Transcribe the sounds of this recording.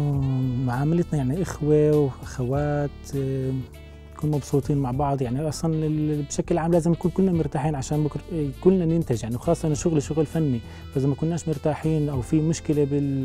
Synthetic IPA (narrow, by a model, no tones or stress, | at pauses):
mʊʕaːmalɪt̪najaʕniʔɪxwewʔaxawaːt̪ | akuːnmɑbsˤuːt̪ˤiːnmaʕbɑʕd̪ˤjaʕniʔɑsˤlɑnɪbʃakɪlʕaːmlaːzɪmjakuːnkʊlːnamʊɾt̪aːħiːnʕaʃaːnbʊkɾkʊlːnanɪnt̪ɪʒjaʕniwxɑːsˤːʔnʃʊɣliʃʊɣlfanːi | faʔzamakʊnːaːʃmʊɾt̪aːħiːnʔawfimʊʃkɪlebɪl